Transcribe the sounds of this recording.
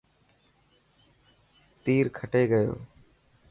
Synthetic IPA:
t̪iːɾkʰəʈeːɡəjo̰ː

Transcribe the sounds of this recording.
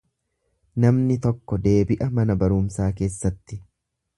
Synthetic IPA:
nɐmnɪt̪ɔkːɔd̪e̞ːbɪʔɐmɐnɐbɐɾʊmsaːke̞ːsːɐt̪ːɪ

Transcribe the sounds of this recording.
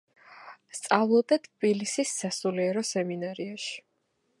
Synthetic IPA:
st̪sʼavlˠɔd̪at̪ʰbilisisːasuliɛɾɔsɛminaɾiaʃi̥

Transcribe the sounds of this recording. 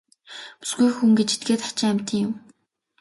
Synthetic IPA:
pu̥sɡujxuŋɡet͡ɕe̥t̪̚ɡeːt̪χḁt͡ɕɪ̆ŋæmʲt̪ə̆ŋjʊm

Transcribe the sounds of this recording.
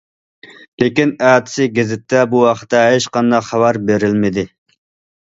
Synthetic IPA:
lekʲinæːt̪ʰɪ̥sɪɡʲezɪt̪ːɛbuwɑqʰə̥t̪ʰːɛʃqɑnd̪ɑqχɑwɑɾbeɾɪlmɪd̪ɪ

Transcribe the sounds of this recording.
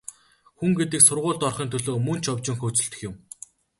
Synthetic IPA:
xuŋɡet̪ɘ̆ksʊrʁʊːɮt̪ɔrχiːnt̪ʰɵɮoːmɵnt͡ɕʰɔwt͡ɕɪ̆ŋxɵːt͡sɵ̆ɬt̪ɵ̆xjʊ̆m

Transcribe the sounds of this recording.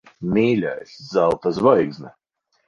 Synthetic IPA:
mʲiːlʲa̰sʲzalˠt̪azvɔjɡznɛ

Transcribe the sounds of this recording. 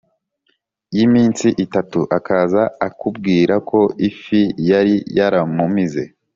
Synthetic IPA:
jimiːnsiʔitatuʔakazaːkub̚ɡiːɾako̞ifijaɾijaɾamumize̞̰

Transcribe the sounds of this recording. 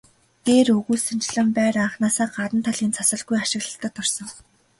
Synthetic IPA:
ɡ̪eːrɵɣuːsɵnt͡ɕ̆ɮə̆mpæːɾaːχnaːsaːɢat̪ə̆nt̪ʰaɮint͡sʰasə̆ɮɡujaʃɪ̆ɣɮə̆ɬt̪ə̆t̪ʰːʊrsɞ̆ŋ

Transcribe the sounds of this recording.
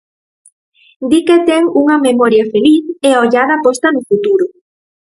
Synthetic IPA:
d̪iket̪ɛŋuŋɐmemɔɾjɐfeliθeoʎaðɐpost̪ɐnʊfut̪uɾʊ

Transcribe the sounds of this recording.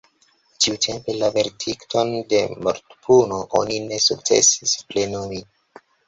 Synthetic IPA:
t͡ʃiutʰe̞mpe̞lave̞ɾtʰiktʰo̞nde̞mo̰ɾtpʰuno̞ʔo̰nine̞suk̚t͡sḛsisple̞nomi

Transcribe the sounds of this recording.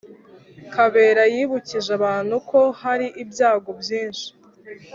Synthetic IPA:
kʰaβe̞ːɾajiːβuciʒaβaːn̥huko̞haɾiʔibjaːɡo̞bjiːnʃi̥

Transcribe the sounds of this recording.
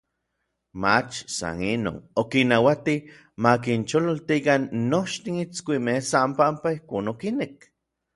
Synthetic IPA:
mat͡ʃsa̰nino̰ːnokinawat̪i | mak̬int͡ʃololt̪ikanːot͡ʃt̪init͡skʷimehsampampaihkoːnokinek̚

